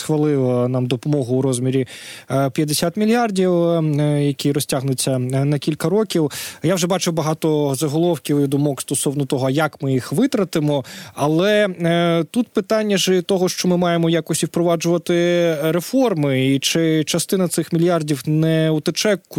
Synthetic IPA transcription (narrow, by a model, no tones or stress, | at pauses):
sxʋɐlˠɪlˠɐnɑmd̪ɔpɔmɔɦʊːɾɔzʲmʲiɾʲipʲjɐd̪esʲat̪mʲilʲjardʲiwjɐkʲiɾɔsʲtʲaɦnʊt͡sʲːɐnɐkʲilʲkɐɾɔkʲiwjawʒɛbɑt͡ʃɪwbɐɦɑt̪ɔzɐɦɔlˠɔwkʲiwid̪ʊmɔkst̪ɔsɔwnɔt̪ɔɦɔjɐkmɪjixʋɪt̪ɾɐt̪ɪmɔɐlˠɛ | t̪ut̪pɪt̪ɑnʲːɐʒɛt̪ɔɦɔʃt͡ʃɔmɪmɑjemɔjakɔsʲtʲiwpɾɔʋɑd͡ʒʊʋɐt̪ɪɾefɔrmɪit͡ʃɪt͡ʃɐst̪ɪnɐt̪sɪxmʲilʲjardʲiwnɛut̪ɪt͡ʃɛkːʊ